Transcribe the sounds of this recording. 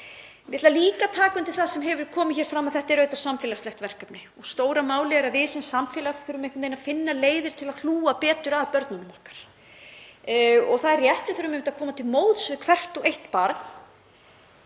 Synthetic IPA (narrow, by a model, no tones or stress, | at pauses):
mjɛt̪laliːkat̪ʰaːkʏnt̪ʰɪlθaðsɛmɦɛvʏɾkʰɔːmɪçɛːɾ̥fɾamːaðθɛht̪aɛɾœːɥt̪ḁɾ̥samfɛːlast̪ɛht̪vɛr̥kœpnɪɔɣst̪oːwɾamaːwlɛɣɾavɪːsɛnsamfɛːlaθʏɾʏmẽjhkʏmt̪ejnafɪnːaleːjðɪɾ̥t̪ʰɪlaðθl̥uːapɛːt̪ʏɾaðpœɾt̪nʏnmɔhkḁɾ̥ | ɔ̰ɣθaðɛrjɛht̪nɪθʏɾʏmemɪnt̪akʰɔːmat̪ʰɪlmoːwt̪svɪðkʰvɛr̥t̪ɔɣejht̪paːɾt̪n̥